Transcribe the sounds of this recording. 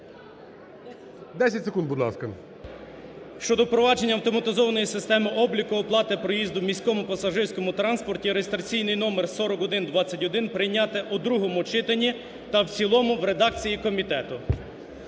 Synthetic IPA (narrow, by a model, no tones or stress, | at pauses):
d̪ɛsʲɐtʲsekund̪bʊd̪lˠɑ̰skɐ | ʃt͡ʃɔd̪ɔpɾɔʋɑd͡ʒe̞nʲːɐwt̪ɔmɐt̪ɪzɔʋɐnɔjisɪst̪ɛmɪʔɔblʲikʊɔplˠɑt̪ɪpɾɔjizd̪ʊmʲisʲkɔmʊpɐsɐʒɪrʲsʲkɔmʊt̪ɾɑnspɔrtʲiɾejest̪ɾɐt͡sʲijnɪjnɔmersɔɾɔkɔd̪ɪnd̪ʋɑt͡sʲːɐtʲɔd̪ɪnpɾɪjnʲːat̪ɛʔʊd̪ɾuɦɔmʊt͡ʃɪt̪ɐnʲːi | t̪ɐwt͡sʲilˠɔmʊʋɾed̪ɑk̚t͡sʲijikɔmʲit̪ɛt̪ʊ